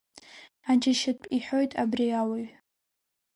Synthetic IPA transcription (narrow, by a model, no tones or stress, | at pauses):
ad͡ʒaʃɪpʷʼiħo̞jtʼabriawaɥ